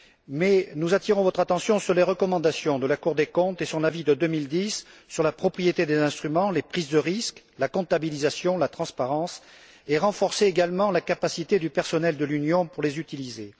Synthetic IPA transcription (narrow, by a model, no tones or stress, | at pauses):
mɛnuzat̪iʁɔ̃vɔt̪χat̪ɑ̃sjɔ̃syʁleʁəkɔmɑ̃d̪asjɔ̃d̪əlakuʁd̪ekɔ̃t̪esɔ̃ʁnavid̪əd̪ømild̪isːyʁlapχɔpχijet̪ed̪ezɛ̃st̪χymɑ̃lepχizd̪əʁisk | lakɔ̃t̪abilizasjɔ̃lat̪χɑ̃spaʁɑ̃s | eʁɑ̃fɔʁseːɡalmɑ̃lakapasit̪ed̪ypɛʁsɔnɛld̪əlynjɔ̃puʁlezyt̪ilize